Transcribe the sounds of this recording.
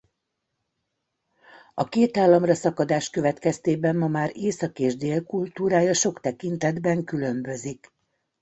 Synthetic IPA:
ɒkeːt̪aːlːɒmrɒsɒkɒd̪aːʃkø̞vɛt̪kɛst̪eːbɛmmɒmaːɾeːsɒkeːʒd̪eːlkult̪uːɾaːjɒʃo̞kt̪ɛkint̪ɛd̪bɛŋkylø̞mbø̞zik

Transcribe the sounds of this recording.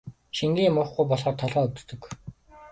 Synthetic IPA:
ʃiŋɡiːmʊːχɡujpɔɮʁɔːrt̪ʰɔɮʁɔːɵwt̪t̪ɵ̆k

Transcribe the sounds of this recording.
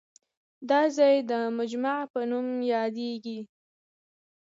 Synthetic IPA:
d̪ɑzɑjd̪əmad͡ʒmaʕpənumjɑd̪eɡi

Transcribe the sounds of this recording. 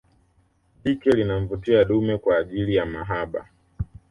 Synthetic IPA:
ɓikɛlinaɱ̩vutiaɗumɛkwaːʄilijamaɦaɓa̰

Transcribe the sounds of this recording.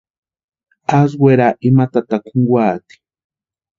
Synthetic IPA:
as̬wʷeɾaʔimat̪at̪akuŋɡwaːt̪i̥

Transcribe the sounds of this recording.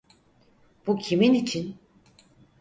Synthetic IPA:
b̥ucʰiminit͡ʃʰin

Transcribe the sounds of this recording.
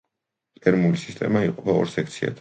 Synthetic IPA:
t̪ʼɛɾmulisist̪ʼɛ̰maiqʼɔpʰaɔ̰ɾsɛk̚ʰt̪sʰia̰d̪ʰ

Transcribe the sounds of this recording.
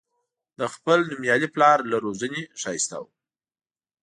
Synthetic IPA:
d̪əxpəlnʊmjɑliplɑɾlaɾozəneʃɑjist̪a̰w

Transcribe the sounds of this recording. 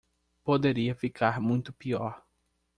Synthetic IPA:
pod̪eɾiɐfikʰaɾmũj̃t̪ʊpiɔɾ

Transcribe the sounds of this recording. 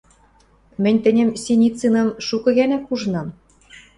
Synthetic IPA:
mɘ̆nʲt̪ɘ̆nʲɘ̆msʲenʲit͡sɯnɤ̆mʃukɤ̆ɣænækuʒnɑm

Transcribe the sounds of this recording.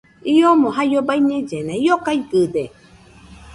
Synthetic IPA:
iomõɦajobaiɲẽd͡ʒenãiokaiɡɨd̪e

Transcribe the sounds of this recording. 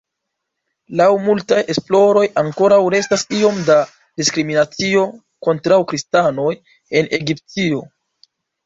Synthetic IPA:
lawmultajesplo̞ɾo̞jaŋko̞ɾawɾe̞stasio̞mda | diskɾiminat͡sio̞ | ko̞ntɾawkɾistano̞j | e̞ne̞ɡiptio̞

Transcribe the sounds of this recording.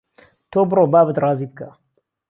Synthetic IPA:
t̪ʰobɨroːbaːbət̪rɑːziːbəka

